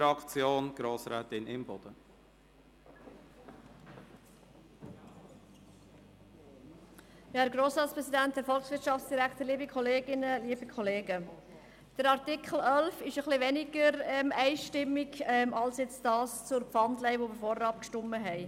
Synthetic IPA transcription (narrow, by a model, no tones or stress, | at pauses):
ɑkt͡sjoːnɡ̥ɾoːsɾɛːt̪ɪnɪmbɔd̥̪ə | jhɛːɾɡɾoːsɾɑːtspʁɛsidænt̚d̥əfɔlχsʋɪɾtʃɑftt͡sd̥iɾæktəɾliːbikʰχɔleːɡɪnəliːəbikʰɔleːɡə | d̥əɾɑɾtɪkχəl̩œlfɪʃəχlɪʋɛnɪɡəɾɛmɛɪʃtɪmːɪɡmɑlsjɛt͡std̥ɑːst͡sʊɾpfɑndlɛɪʋobəfɔrɑːp̚kʃtʊmːəɦɛɪ